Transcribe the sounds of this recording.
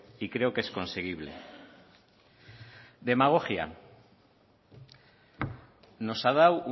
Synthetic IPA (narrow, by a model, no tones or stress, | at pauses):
ikɾe̞oke̞sko̞nse̞ɣ̞iβ̞lḛ | d̪e̞maɣ̞oxja̰ | no̞sað̞awu